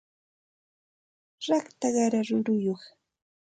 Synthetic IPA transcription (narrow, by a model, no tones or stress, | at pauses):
ɾɑkt̪aɢɑɾaɾʊɾʊjoχ